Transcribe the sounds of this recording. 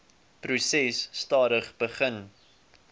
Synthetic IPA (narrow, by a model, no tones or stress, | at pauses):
prusɛsːtɑːɾəχb̥əχən